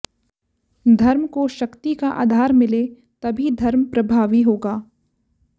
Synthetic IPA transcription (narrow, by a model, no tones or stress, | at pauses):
d̪ʱɐɾmkoʃɐkt̪ikaʔa̰ːd̪ʱaːɾmɪle | t̪ɐbʱid̪ʱɐɾmpɾɐbʱaːʋiɦoːɡaː